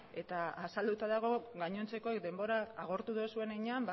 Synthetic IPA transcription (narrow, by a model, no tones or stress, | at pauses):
e̞t̪aasald̪ut̪aðaɣ̞o̞ɣaɲo̞nt͡se̞ko̞ekd̪e̞mbo̞ɾaːɣ̞o̞ɾt̪uðosue̞neɲeamb